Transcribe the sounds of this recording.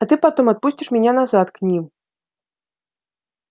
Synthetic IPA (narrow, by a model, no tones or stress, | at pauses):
ɐt̪ɨpat̪ɨmat̪̚pusʲt͡sʲiʂmʲɛnʲanazat̪knʲi